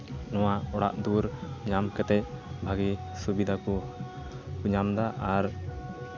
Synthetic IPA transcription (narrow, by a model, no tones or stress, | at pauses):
nɔwaʔɔɽa̰ʔd̪uɾɲamkɛt̪ɛc̚bʱaɡisubid̪akɔ | uɲamd̪aʔaɾ